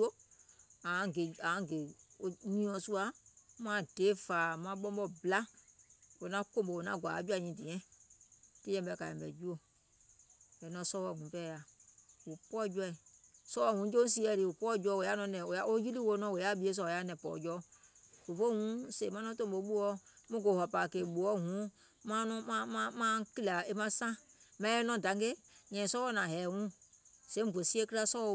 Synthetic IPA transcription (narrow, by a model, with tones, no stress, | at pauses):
u˦o˦ | ã˨˦ɡe˨ã˨˦˨ɡe˨o˧ɲĩ˦ɔ̃˧su˦a˧mã˦˨d̥eː˨˦faː˨mã˧˦ɓɔ̃˧˦bɔ˧bla˦wo˨nã˦kõ˦˨bo˧wo˨nã̰˦˨ɡʷa̰ː˨˦d͡ʒu˦a˧˨ɲĩ˧˨di˨ɛ̃˦˨ | ti˦jɛ̃˧˨bɛ˧˨ka˨ɛ̃˨bɛ̰˨d͡ʒu˦o˧ | bɛ˨nɔ̃˧˦sɔ˧˦wɔ˧˨ŋũ˨˦pɛ˦˨ja˨wu˨pɔ˦d͡ʒu˧ɛ˧i˨sɔ˦wɔ˦˨hũ˨˦d͡ʒo˦s̬i˦ɛ˨ɾi˨wu˨pɔ˦˨d͡ʒɔ˦˨wo˨ja˦nɔ̃˨˧˦nɛ̃˨o˨a˦o˦ji˦li˦wo˧˦nɔ̃˦wo˨ja˦bi˦e˦s̬ɔ˦˨o˨ja˦nɛ̃˨pɔ̰ː˨d͡ʒɔ˦v̥o˨fo˦hũ˦se˨mã˦nɔ̃˦tõ˦˨bo˨˦ɓu˦ɔ˦mũ˦ɡo˨hɔ˨paː˨ke˨ɓu˨ɔ˦hũ˨˦ | mã˦nɔ̃˦mã˦mã˦mã˦ki˦la˨e˦mã˦sã˦mã˨˦ɛ˦nɔ̃˦˨dã˨˦ŋɡe˦ŋɛ̃˨sɔ˦ɔ˦˨nã˨ɦɛː˨wũ˦sɛ̃˨˦m˨vo˨si˦e˦ki˦ɾa˦sɔ˦ɔ˧˦